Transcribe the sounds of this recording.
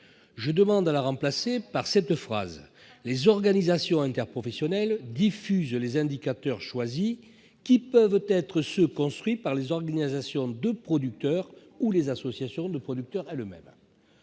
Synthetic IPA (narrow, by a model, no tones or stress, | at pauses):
ʒəd̪əmɑ̃d̪alaʁɑ̃plasepaʁsɛt̪fχa̰z | lezɔʁɡanizasjɔ̃ɛ̃nt̪ɛʁpχɔfɛsjɔnɛld̪ifyzlezɛ̃d̪ikat̪œʁʃwazi | kʲipœvt̪ɛt̪χəsəkɔ̃st̪χɥipaʁlezɔʁɡanizasjɔ̃d̪əpχɔd̪yk̚t̪œʁ | ulezasɔsjasjɔ̃d̪əpχɔd̪yk̚t̪œʁɛləmɛ̰m